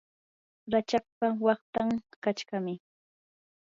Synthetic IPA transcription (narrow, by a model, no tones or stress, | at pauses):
ɾat͡ʃak̚pawɑχt̪aŋkat͡ʃkamɪ